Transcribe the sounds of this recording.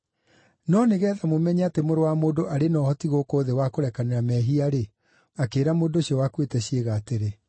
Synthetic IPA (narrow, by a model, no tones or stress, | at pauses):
nɔneɣɛːðamomɛɲɛatemoɾowamoːndoʔaɾenɔhɔtiɣoːkoːðewakoɾɛkaneɾamɛɦiaɾe | akeːɾamoːdoɕiɔwakwetɛɕieɣaːteɾe